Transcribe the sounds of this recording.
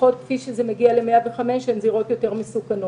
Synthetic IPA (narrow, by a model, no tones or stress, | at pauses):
ot̪̚kfiʃezemeɡiale̞meaveχameʃenziʁo̞t̪jo̞te̞ʁmisukano